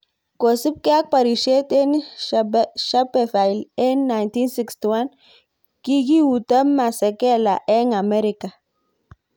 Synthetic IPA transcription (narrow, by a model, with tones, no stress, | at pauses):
ko˨si˦p̚ke˦a˦k̚pa˨ɾi˨ʃe˦te˦n | ʃa˦pe˨fa˨jle˦nːa˨jnti˦nsi˨ksti˨wa˦n | ki˦ɡi˦wu˨ta˦mːa˨se˨ke˦la˨ʔe˦ŋa˨me˦ɾi˨ka˨